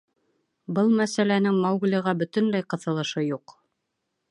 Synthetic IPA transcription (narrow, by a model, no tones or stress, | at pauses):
bɤlˠmæsælænɘŋmɑwɡlʲɤ̆ʁɑbɵ̆t̪ɵ̆nlæjqɤ̆θɤ̆lˠɤ̆ʃɤjuq